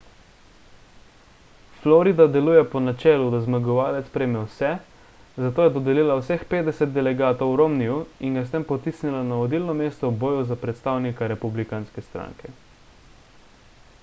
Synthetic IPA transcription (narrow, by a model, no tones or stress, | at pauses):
flɔɾid̪ad̪ɛluːjɛpɔnat͡ʃɛːlud̪azmaɡɔʋaːlɛt̪sspɾɛːjmɛwsɛ | zat̪oːjɛd̪ɔd̪ɛliːlawsɛxpeːt̪d̪ɛsɛt̪̚d̪ɛlɛɡaːt̪ɔwɾomnijuiŋɡast̪empɔt̪isnilanaɔd̪iːlnɔmeːst̪ɔboːjuzapɾɛt̪st̪aːwnikaɾɛpublikanskɛst̪ɾa̰ːŋkɛ